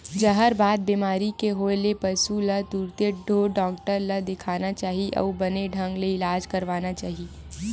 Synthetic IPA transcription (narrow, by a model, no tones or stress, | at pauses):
d͡ʒɐɦəɾbaːd̪̚bimaːɾikeɦoːlepɐsulɐt̪uɾt̪eɖʱoːɖɔːkʈəɾlɐd̪ɪkʰaːnat͡ʃaːɦiʔɐ̰ubɐneɖʱɐ̃ŋɡleɪlaːd͡ʒkɐɾʋaːnat͡ʃaːɦie